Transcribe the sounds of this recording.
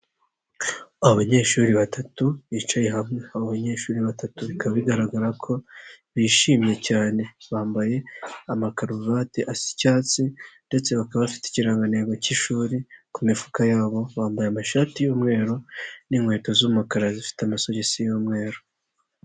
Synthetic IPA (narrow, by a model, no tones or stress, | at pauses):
aoβaɲe̞ːʃuːɾiβatʰatuit͡ʃajeɦamŋe̞aβoβaɲe̞ːʃuːɾiβatatuβikaβaβiɡaɾaɡaɾakʰo̞ | βiʃiːmɲe̞caːne̞βaːmbaje̞amakaɾuvateʔasi̥caːt͡sinde̞t͡se̞βakaββafi̥ti̥ciɾaːŋɡane̞ːɡociʃuːɾikumifu̥kajaːβo̞βaːmbajeamaʃaːtijuːmŋe̞ːɾo̞niŋweːtozuumukaɾazifi̥teamasoɟesijuːmŋe̞ːɾo